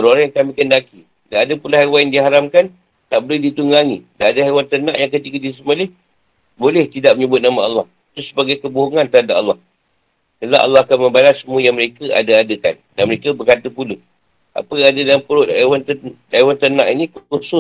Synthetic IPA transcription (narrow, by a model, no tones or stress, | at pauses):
oɾoɾaŋjaŋkamĩkəndaki | daːdəpulaɦajwanjadiɦaɾamkan | t̪aʔbolɛhdit̪uŋaŋḭdaːdaɦajwant̪ərna̰ʔjaŋkət̪ikədis̬əməlɪh | bolɛht̪idaʔ̚məɲəbʊt̪̚namaalːɑhit̪usə̥baɡajkəboɦoŋant̪əɾɦadaʔalːɑh | t̪əlaʔa̰lːɑhakanmə̃mbalasːəmuəjaŋməɾekəa̰daadəka̰ndanməɾekəbərkat̪əpulə | a̰pəadadalampəɾʊʔaewant̪ədajwant̪ənã̰ʔinĩkuusʊs